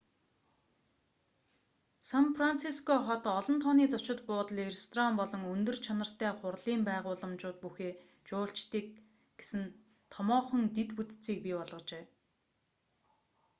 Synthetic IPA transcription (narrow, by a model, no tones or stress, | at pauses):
sanpran̥t͡sʰiskʰɔχɔt̪ɔɮɞ̆nt̪ʰɔniːt͡sɔt͡ɕɪ̆t̪pʊːt̪ə̆ɮerest̪ʰɔrampɔɮɞ̆ŋɵnt̪ɵ̆rt͡ɕʰanə̆r̥t̪æːχʊrɮiːmpæːʁʊːɮə̆mt͡ɕʊːt̪̚puxeː | t͡ɕʊːɬt͡ɕt̪iːk̚ | ɡ̥e̥sɘ̆n | t̪ʰɔmɔːχɞ̆nt̪et̪put̪t͡siːk̚pipɔɮʁɞ̆qt͡ɕeː